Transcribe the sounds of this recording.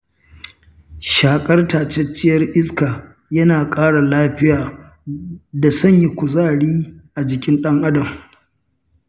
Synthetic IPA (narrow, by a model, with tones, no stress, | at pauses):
ʃaː˨kʼɐ˦rtaː˨t͡ʃɛ˦t͡ʃːɪ˦jɐ˦rʔɪ˦skaː˨ | jɐ˦naː˨kʼaː˦ɽa˨laː˦ɸɪ˦jaː˨ | da˨sɐ˦ɲji˦kʷʊ˨zaː˦˨ɽiː˦ʔa˨d͡ʒɪ˨kʲɪ˦nɗɐ˦ŋʔa˦dɐ˨m